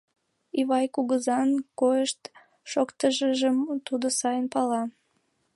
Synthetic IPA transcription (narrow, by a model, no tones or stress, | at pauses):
iβɑjkuɣəzɑnkojəʃt̪ | ʃokt̪əʒəʒəmt̪ud̪osɑjənpɑlɑ